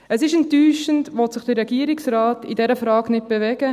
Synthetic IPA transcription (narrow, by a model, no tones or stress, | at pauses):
əsɪʃɛntːyːʃəntʋɔtsɪχd̥ɪrɛɡiəɾiksrɑːtidɛɾəfɾɑːɡnɪt̚b̥evɛɡ̥ə